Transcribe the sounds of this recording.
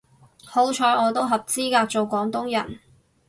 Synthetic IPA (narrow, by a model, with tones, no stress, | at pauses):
ho˨˥wt͡ʃʰɔː˨˧˥ɔː˨˧t̪o˥wɦɐ˨p̚t͡siː˥kaː˧k̚t͡so˨wkʷɔː˨˥ŋt̪ʊ˥ŋjɐ̰˨˩n